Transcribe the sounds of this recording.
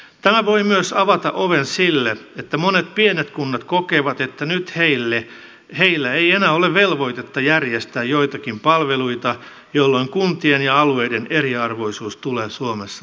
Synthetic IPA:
t̪æmæʋoimyøsɑʋɑt̪ɑ̰ʔoʋensilːeet̪ːæmonet̪̚pienet̪kunːɑt̪kokeːʋɑt̪et̪ːænyt̪heilːe | heilːæeienæːoleʋʋelʋo̞it̪et̪ːɑjærjest̪æːjjoit̪ɑkimpɑlʋeluit̪ɑ | jolːoiŋkunt̪ienjɑɑlueideneriɑrʋo̞isuːst̪uleːsuomesːɑ

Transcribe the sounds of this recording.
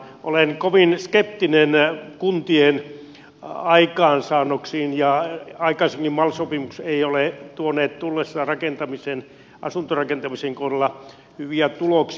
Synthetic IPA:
ʔo̰lenkoʋinskep̚t̪inenkunt̪ien | ɑikɑːnsɑːnːoksiːnjɑɑikɑiseŋkimmɑlsopimukseiolet̪uoneːt̪t̪ulːesːɑrɑkent̪ɑmisen | ʔɑ̰sunt̪orɑkent̪ɑmiseŋkohrelːɑ | hyʋiæt̪uloks

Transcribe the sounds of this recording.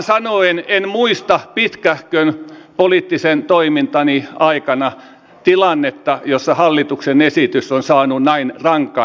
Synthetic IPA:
sɑnoenenmuist̪ɑpit̪kæhkønpoliˑt̪ːisent̪oimint̪ɑniɑikɑnɑ | t̪ilɑnːet̪ːɑjosːɑhɑlːit̪uksenesit̪ysːonsɑːnunæinrɑŋkːˑɑ

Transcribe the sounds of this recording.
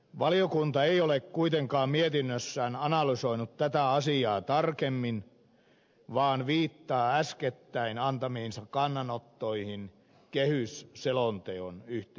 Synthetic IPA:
ʋɑliokunt̪ɑeiolekkuit̪eŋkɑːmmiet̪inːøsːæːnɑnɑlysoinut̪t̪æt̪æɑsiɑːt̪ɑrkemːin | ʋɑːnʋiːt̪ːɑːæsket̪ːæinɑnt̪ɑmiinsɑkkɑnːɑnot̪ːoihin | kehysselont̪eonyht̪

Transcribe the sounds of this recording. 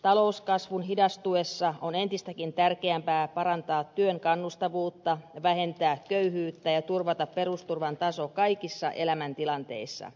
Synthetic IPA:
t̪ɑlouskɑsʋunɦidɑst̪ue̞sːɑonent̪ist̪ækint̪ærkeæmpæːpɑɾɑnt̪ɑːt̪ːyøŋkɑnːust̪ɑʋuːt̪ːɑʋæɦe̞nt̪æːkːøyɦyːt̪ːæjɑt̪urʋɑt̪ɑppe̞rust̪urʋɑnt̪ɑsokɑikisːɑʔe̞læmænt̪ilɑnt̪e̞̰isːɑ̰

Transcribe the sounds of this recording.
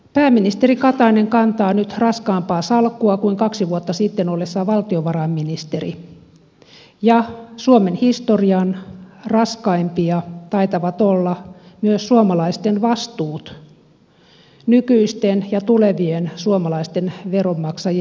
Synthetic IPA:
pæːmːinist̪erikɑt̪ɑineŋkɑnt̪ɑːnyt̪rɑskɑːmpɑːsɑlkːuɑkuiŋkɑksiʋuot̪ːɑsit̪ːenolːesːɑʋɑlt̪ioʋɑrɑmːinist̪erḭ | jɑsuomenhist̪oriɑnrɑskɑimpiɑt̪ɑit̪ɑʋɑt̪olːɑmyøssuomɑlɑist̪enʋɑst̪uːt̪ | nykyist̪enjɑt̪uleʋiensuomɑlɑist̪enʋeromːɑksɑj

